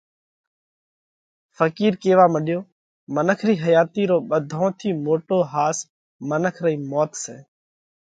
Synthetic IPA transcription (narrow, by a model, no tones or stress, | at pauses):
fəkiːɾkeːʋaːməɗjoː | mənəkʰɾiːɦəjaːt̪iːɾoːɓəd̪ʱõːt̪ʰiːmoːʈoːɦaːs | mənəkʰɾəiːmɔːt̪seː